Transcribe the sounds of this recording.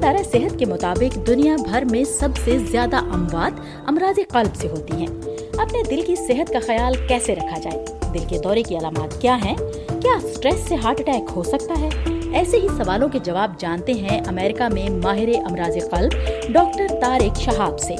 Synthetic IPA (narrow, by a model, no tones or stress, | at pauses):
d̪aːɾasɪɦət̪kemʊt̪aːbɪqd̪ʊnijabʱɐɾmẽsɐbsezjaːd̪aʔɐ̃mʋaːd̪ | ɐmɾaːziqɐlbseɦoːt̪iɦɛ̃ː | ɐpned̪ɪlkisɪɦət̪kaxɐjaːlkɛːseɾɐkʰad͡ʒaːeː | d̪ɪlked̪ɔːɾekiɐlaːmaːt̪kjaːɦɛ̃ | kjaːsʈɾɛːsːeɦaːɾʈʈɛːkhosɐk̚t̪aɦɛːɛːseɦisɐʋaːlõked͡ʒɐʋaːb̚d͡ʒãːnt̪eɦɛ̃ʔɐmɛːɾɪkamẽmaːɦɪɾeʔɐmɾaːziqɐlbɖɔːk̚ʈəɾt̪aːɾɪkʃɐɦaːbseː